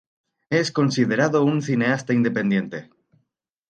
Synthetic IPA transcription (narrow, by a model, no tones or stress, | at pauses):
e̞sko̞nsið̞e̞ɾaðounθine̞ast̪aind̪e̞pe̞nd̪je̞nt̪e̞